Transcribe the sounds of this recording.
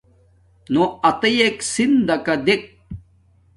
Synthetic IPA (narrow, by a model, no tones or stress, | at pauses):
noɐt̪ɐjeksind̪ɐkɐd̪ek̚